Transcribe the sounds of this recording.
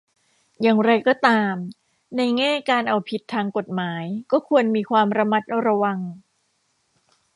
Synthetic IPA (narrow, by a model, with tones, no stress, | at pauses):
jaː˨˩ŋɾa˧jkɔː˥˩t̪aː˧m | na˧jŋɛː˥˩kaː˧nʔa˧wpʰi˨˩t̪ʰːaː˧ŋko˨˩t̪̚maː˩˦jkɔː˥˩kʰu˧ənmiː˧kʰwaː˧mɾa˧ma˦˥t̪̚ʔa˧wɾa˧wa˧ŋ